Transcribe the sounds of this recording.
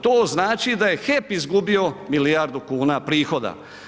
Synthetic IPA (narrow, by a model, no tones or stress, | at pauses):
t̪oːznaːt͡ʃid̪aje̞xepizɡubio̞miliaɾd̪ukuːnapɾiːxo̞d̪a̰